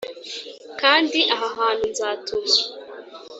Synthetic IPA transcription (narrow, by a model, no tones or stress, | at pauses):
kaːndiʔaɦaɦaːn̤unzaːtʰozo̥